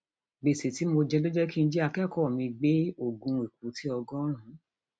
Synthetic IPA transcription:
ɡ͡be˨se˨ti˨˦mo˧d͡ʒɛ˧do˦d͡ʒɛ˦ki˦n̩˧˦d͡ʒi˦a˧kɛ˦˨kɔ˦˨mĩ˧ɡ͡be˦o˦˨ɡũ˧i˨k̚u˨˦tʰi˦ɔ˧ɡɔ̃˦ɾ̃ũ˨˦

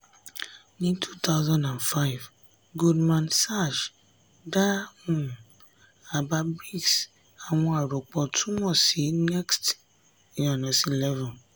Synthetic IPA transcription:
nĩ˦tʰu˦t̪ʰa˦ʊzã˦ndã˨nfa˦ɪ˨v | ɡu˦dmã˨nsa˦˨ʃ | da˦hũ˨m | a˨ba˦bi˦ɡs | a˨wɔ̃˦a˨ɾo˨k͡pɔ˨tʰu˦mɔ̃˨si˨˦nɛ˦kst | jã˨na˨si˨lɛ˦vɔ̃˨n

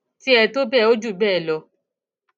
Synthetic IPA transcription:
ti˦ɛ˧to˦bɛ˦˨o˦d͡ʒu˦˨bɛː˦˨lɔ˧

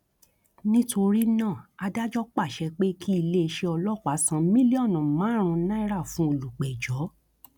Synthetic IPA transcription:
nĩ˦to˧ɾi˦nãː˦˨a˧da˦d͡ʒɔ˦k͡pa˦˨ʃɛ˨˧k͡pe˦kʰi˦i˧le˦e˧ʃe˧ɔ˧lɔ˦˨kʷa˨˦sã˧mĩ˦li˦ɔ˦˨nũ˨mã˨˦ɾ̃ũ˧nã˦i˦ɾa˦˨fũ˦o˧˨lu˨k͡pɛ˨d͡ʒɔ˨˦

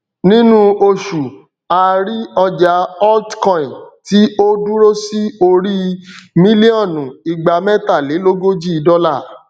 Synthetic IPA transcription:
nĩ˦nũ˦o˧ʃu˨ | a˨ɾi˦ɔ˧d͡ʒa˨˦ɔ˦ltkɔ̃˦˨ti˦o˦du˦ɾo˦si˦o˧ɾi˦mĩ˦li˦ɔ̃˦˨nũ˨˦i˨ɡ͡ba˨mɛ̃˦ta˦˨le˨˦lo˦ɡo˦d͡ʒi˦i˧dɔ˦la˦˨

